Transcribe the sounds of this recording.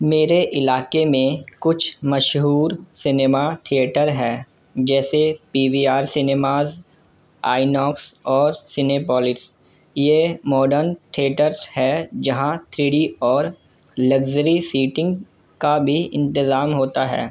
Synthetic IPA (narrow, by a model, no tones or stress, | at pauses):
meːɾeʔɪlaːkemẽkʊt͡ʃʰmɐʃɦuːɾsɪneːmat̪ʰieʈəɾɦɛː | d͡ʒɛːsepiːʋiaːɾsɪneːmaːz | a̰ːɪnɔːksɔːɾsɪneːpɔːlɪʈs | jemɔːɖəɾnʈ̪ʰieːʈəɾshɛd͡ʒɐɦãt̪ʰɾiːɽiɔːɾ | lɐɡd͡ʒəɾisiːʈɪ̃ŋɡ | kabʱiɪ̰̃nt̪ɪzaːmɦoːt̪aɦɛ̰ː